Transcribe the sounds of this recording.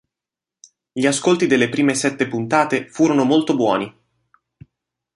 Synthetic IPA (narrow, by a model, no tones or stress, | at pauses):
ʎiaskolt̪id̪elːepɾiːmesɛt̪ːepunt̪aːt̪efuːɾonomolt̪obwɔːni